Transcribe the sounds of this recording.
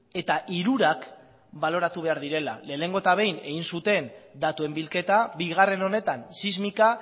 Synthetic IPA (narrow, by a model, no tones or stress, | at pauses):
e̞t̪aʔiɾuɾak | balo̞ɾat̪uβ̞e̞aɾðiɾe̞la̰le̞ːne̞ŋɡo̞et̪aβ̞e̞jne̞ɣinsut̪e̞nd̪at̪ue̞mbilke̞t̪abiɣ̞are̞no̞ne̞t̪ansizmika